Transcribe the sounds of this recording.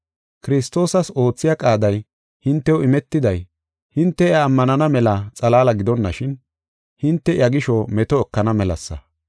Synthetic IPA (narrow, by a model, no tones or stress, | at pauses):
kɪɾɪst̪o̞ːsɐso̞ːt͡sːɪjakʼaːd̪ɐj | hɪnt̪ːɛwɪmɛt̪ːɪd̪ɐj | hɪnt̪ːɛjaːmːɐnɐnɐmɛlɐt͡sʼɐlaːlɐɡɪd̪ɔnːɐʃɪn | hɪnt̪ːɛɪ̰jɐɡɪʃɔmɛt̪ɔɛkːɐnɐmɛlɐ̰sːɐ̰